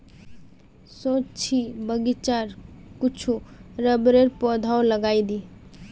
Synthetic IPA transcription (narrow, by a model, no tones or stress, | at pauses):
sot͡ʃʰibəɡit͡ʃaɾkut͡ʃʰuɾəbɾeɾpɔd̪ʱaoləɡaid̪i